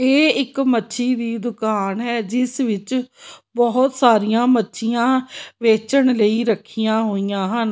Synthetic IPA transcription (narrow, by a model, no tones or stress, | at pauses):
eːɪkmətːʃʰiːd̪iːd̪ʊkaːnɦɛːd͡ʒɪsʋɪt͡ʃbɔːʊt̪saːɾijãːmətːʃʰijãːʋeːt͡ʃəɳləiːɾəkʰːijãːɦoːijãːɦən